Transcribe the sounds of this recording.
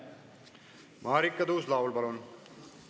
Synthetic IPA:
maːɾikːɐd̪uːslaːʋulpɐloːn

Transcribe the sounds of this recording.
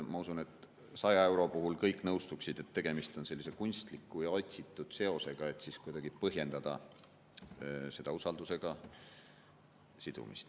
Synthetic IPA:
mɑusune̞t̪ˑ | sɑjɑe̞wɾo̞puɦulkɤjkːˑnɤwst̪uksid̪̥e̞t̪ːe̞ɡ̥e̞mist̪o̞nse̞lːise̞kunʲst̪likːˑujɑo̞t̪ʲsit̪ːˑud̪̥se̞o̞se̞ɡ̥ɑe̞t̪ˑsiskujd̪̥ɑɡ̥ipɤɦje̞nd̪̥ɑd̪̥ɑ̰ | se̞d̪̥ɑusɑld̪use̞ɡ̥ɑ | sid̪̥ṵmḭst̪

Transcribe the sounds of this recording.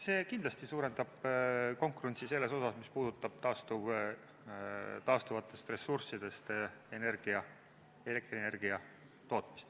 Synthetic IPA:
se̞ːkind̪lɑst̪isuːɾe̞nd̪ɑb̥ko̞ŋkˑuɾenʲt̪sise̞lːe̞so̞sɑsmispuːd̪̥ut̪ːˑɑb̥̚t̪ɑːst̪uv | t̪ɑːst̪uvɑt̪ːˑe̞st̪re̞sːursid̪̥e̞st̪e̞ne̞rɡ̥iɑ | e̞le̞k̚t̪rine̞rɡ̥iɑ | t̪o̞ːt̪mi̥st̪

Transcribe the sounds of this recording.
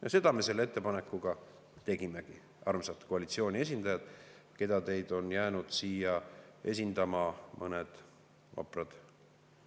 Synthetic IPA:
jɑse̞d̪ɑmese̞lːee̞t̪ːe̞pɑne̞kːˑuɡ̥ɑ | t̪e̞ɡime̞ɡ̥i | ʔɑrmselt̪ko̞ɑlit̪sio̞ːnʲie̞s̬ʲind̪̥ɑjɑd̪̥ | ke̞d̪̥ɑt̪e̞jd̪̥o̞njæːnud̪̥siːjɑʔe̞̰s̬ʲind̪̥ɑmɑmʔɤned̪̥ | vɑ̰prɑd̪̥

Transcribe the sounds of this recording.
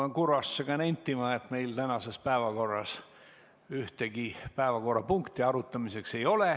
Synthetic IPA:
ɑkurɑsːeɡ̥ɑnenʲt̪ːimɑet̪me̞jlt̪ænɑse̞spæevɑko̞rːɑs | yht̪eɡipæevɑko̞rːɑpuŋkt̪iɑɾut̪ːˑɑmise̞kse̞jo̞le

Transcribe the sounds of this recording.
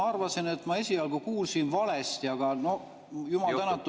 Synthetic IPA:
ɑrvɑsinet̪ːmɑe̞sʲiɑlɡ̥ukuːlsinvɑle̞st̪iɑɡ̥ɑno̞ | jumɑlt̪ænɑt̪ːˑ

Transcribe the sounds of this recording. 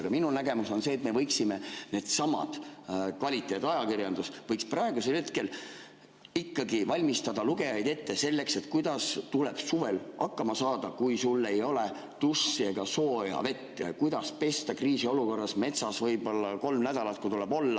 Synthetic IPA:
ɡ̥ɑminunæɡe̞muso̞nse̞ːt̪me̞vɤ̞jksime̞ne̞ːd̪̥sɑmɑ̰d̪̥kvɑlʲit̪ːˑe̞ːt̪ːˑɑjɑkirjɑnd̪usvɤjksprɑe̞ɡ̥use̞lhe̞t̪ke̞l | ikːɑɡivɑlʲmist̪ɑd̪ɑluɡe̞jɑjd̪e̞t̪ːe̞se̞lːe̞kse̞t̪kujd̪̥ɑst̪uleb̥suve̞lʔɑkːɑmɑsɑːd̪̥ɑkujsulːe̞jo̞le̞ | t̪usːieɡ̥ɑso̞ːeɑ̰ve̞t̪ːɑ̰kujd̪̥ɑspe̞st̪ɑkriːsio̞luko̞rːɑsme̞t̪sɑsvɤjb̥o̞lːɑko̞lmnæd̪̥ɑlɑt̪̚kut̪ulebo̞lːɑ

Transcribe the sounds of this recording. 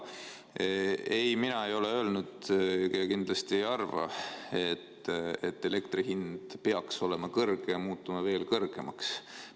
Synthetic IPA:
e̞jminɑejo̞le̞ø̞lnud̪̥kekind̪̥lɑst̪iejɑrvɑ̰e̞t̪ːet̪ːe̞le̞kt̪riɦind̪̥peɑkso̞le̞mɑkɤrɡ̥ejɑmuːt̪ːˑumɑve̞ːlkɤrɡ̥e̞mɑks

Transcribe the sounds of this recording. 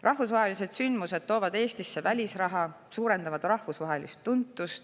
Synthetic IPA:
rʔɑhvusvɑɦe̞lise̞d̪̥synd̪̥muse̞d̪̥t̪o̞ːvɑd̪e̞ːst̪isːe̞vælʲisrɑɦɑ | suːɾe̞nd̪ɑvɑd̪̥rɑhvusvɑɦe̞list̪ːunt̪ːˑust̪

